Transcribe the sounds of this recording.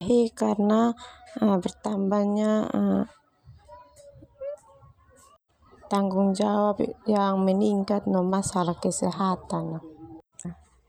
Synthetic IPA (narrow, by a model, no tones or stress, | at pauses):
ɦikarnaəbərt̪ambahɲaə̰ | t̪aŋɡuŋd͡ʒawapjaŋməniŋkat̪̚nɔmasalahkəsɛɦat̪ana